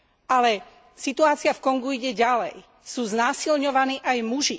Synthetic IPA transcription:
ʔalɛ | sit̪uaːt͡sɪafkɔŋɡuiɟɛɟalɛ̰j | suːznaːsilɲɔʋaniːʔajmuʒi

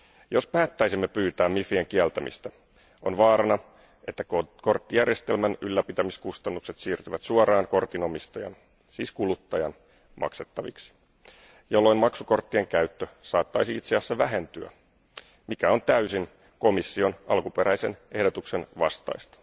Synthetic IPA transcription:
jo̞spæːt̪ːæjsimːe̞pyːt̪æːmifieŋkiælt̪æmḭst̪æ | ʔonʋɑːɾɑnɑ | ʔe̞t̪ːækko̞rt̪ːijærjest̪elmænylːæpit̪æmiskust̪ɑnːukset̪siːrt̪yʋæt̪suɑɾɑːŋko̞rt̪ino̞mist̪ɑjɑ̰n | sḭːskulut̪ːɑjɑn | mʔɑ̰kset̪ːɑʋḭksi̥ | jolːo̞jmmɑksuko̞rt̪ːieŋkæɥt̪ːøsɑːt̪ːɑjsiit̪seæsːæʋæɦe̞nt̪yæ̰ | mikæo̞nt̪æysin | ko̞misːio̞nʔɑlkupeɾæjse̞nʔe̞hdot̪uksenʋɑ̰st̪ɑ̰jst̪ɑ̥

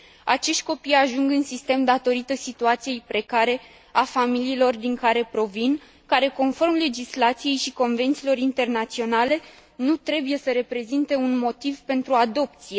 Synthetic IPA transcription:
at͡ʃe̞ʃt̪ʲko̞pijaʒuŋɡɨnsist̪e̞md̪at̪o̞ɾit̪əsit̪uat̪sije̞jpɾe̞kaɾe̞ | afamiliːlo̞rd̪iŋkaɾe̞pɾo̞vin | kaɾe̞ko̞nfo̞rmle̞d͡ʒislat̪sije̞jʃiko̞nve̞nt̪silo̞ɾint̪e̞rnat̪sio̞nale̞ | nut̪ɾe̞buje̞səɾe̞pɾe̞zint̪e̞unmo̞t̪ivpe̞nt̪ɾuad̪o̞p̚t̪sije̞

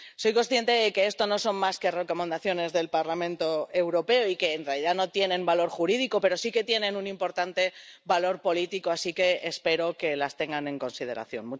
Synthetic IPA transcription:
so̞jko̞nsθje̞nt̪e̞ðe̞ke̞est̪o̞no̞so̞nmaske̞re̞ko̞me̞nd̪aθjo̞ne̞zðe̞lpaɾlamẽnt̪o̞ewɾo̞pe̞oike̞ːnrealiðano̞t̪je̞nẽ̞mbalo̞ɾxuɾið̞iko̞pe̞ɾo̞sike̞t̪je̞nẽ̞nunĩmpo̞ɾt̪ant̪e̞βalo̞ɾpo̞lit̪iko̞asike̞ːspe̞ɾo̞ke̞last̪e̞ŋɡanẽ̞ŋko̞nsiðe̞ɾa̰θjo̞nmu

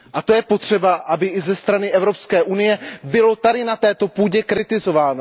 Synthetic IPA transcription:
ʔat̪o̞jɛpo̞t̪r̝̥ɛbaʔabɪʔɪzɛst̪ɾanɪʔɛvɾo̞pskɛːʔunɪjɛbɪlo̞t̪adɪnat̪ɛːt̪o̞puːɟɛkɾɪt̪ɪzo̞vaːno

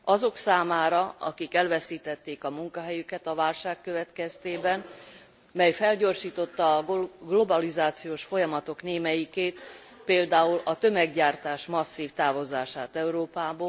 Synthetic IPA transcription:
ɒzo̞ksaːmaːɾɒɒ̰kikɛlvɛsiːt̪ɛt̪ːeːkɒmuŋkɒɦɛjykɛt̪ɒvaːlʃaːkːøvɛt̪kɛst̪eːbɛn | mɛjfɛlɟo̞rʃiːt̪o̞t̪ːɒːɡlo̞bɒlizaːt̪sijoːʃfo̞jɒmɒt̪o̞kneːmɛjikeːt̪ | peːld̪aːulɒt̪ø̞mɛɡɟaːrt̪aːʃmɒsːiːft̪aːvo̞zaːʃaːt̪ɛuɾoːpaːboː

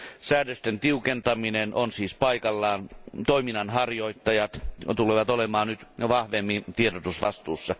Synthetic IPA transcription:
sæːdøst̪ent̪iukent̪ɑminenonsiːspɑikɑlːɑːnt̪oiminɑnhɑrjoit̪ːɑjɑt̪t̪uleʋɑt̪olemɑːnnyt̪ʋɑhʋemːit̪ieɾot̪usʋɑ̰st̪uːsːɑ

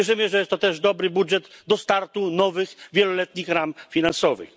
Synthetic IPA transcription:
ɛʐɘmɘʐɛjɛst̪ːɔt̪ɛʐd̪ɔbɾɘbudʐɛd̪d̪ɔst̪aɾt̪unɔvɘxvʲjɛlɔlɛt̪ɲixɾamfʲinansɔvɘ̰x

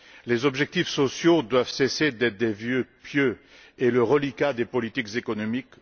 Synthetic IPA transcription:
lezɔbʒɛk̚t̪ifsɔsjod̪wavsesed̪ɛt̪d̪evjøpjø | eləʁəlikad̪epɔlit̪ikzekɔnɔmik

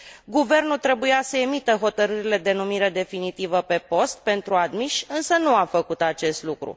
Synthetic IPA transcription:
ɡuve̞rnult̪ɾe̞bujasəe̞mit̪əɦo̞t̪əɾɨɾile̞d̪e̞numiɾe̞d̪e̞finit̪ivəpe̞po̞st̪̚pe̞nt̪ɾuad̪miʃʲɨnsənuafəkut̪at͡ʃe̞st̪lukɾṵ

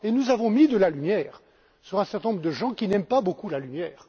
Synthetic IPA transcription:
enuzavɔ̃mid̪əlalymjɛːʁ | syʁɛ̃sɛʁt̪ɛnɔ̃mʁəd̪əʒɑ̃kʲinɛmpabokulalymjɛːʁ

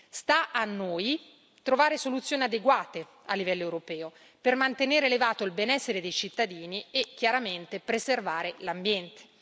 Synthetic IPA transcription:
st̪aʔanːoːj | t̪ɾovaːɾesolut̪sːjoːniad̪eɡwaːt̪e | a̰lːivɛlːoewɾopɛːo | permant̪eneːɾeːlevaːt̪oilbenɛsːeɾed̪ejt͡ʃit̪ːad̪iːniekːjaɾament̪epɾeservaːɾelambjɛnt̪e̥

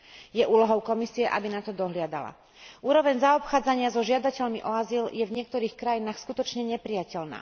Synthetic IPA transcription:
jɛʔuːlɔɦɔʊkɔmisiɛʔa̰binat̪ɔd̪ɔɦlɪad̪a̰la̰ | ʔuːɾɔʋɛɲzaɔpxaːd͡zaɲɪazɔʒɪad̪acɛʎmiʔɔaziljɛvɲɪɛk̚t̪ɔɾiːxkɾajinaːxskut̪ɔt͡ʃɲɛɲɛpɾijacɛʎna̰ː

